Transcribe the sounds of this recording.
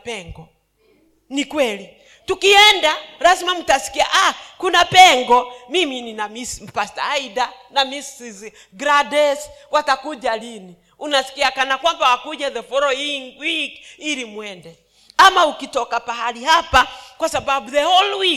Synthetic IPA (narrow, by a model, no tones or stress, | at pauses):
pɛŋɡɔ | nikwɛli | tukiɛndaɾasimamutasi̥kiaʔakunapɛŋɡɔmimininamism̩pastaidanamisiz | ɡɾadɛswatakud͡ʒalini | unasi̥kiakanakwambawakud͡ʒaðɛfɔɾɔiwikilimwɛndɛ | amaukitɔkapaɦaliɦapakwasababuðɛhɔlwi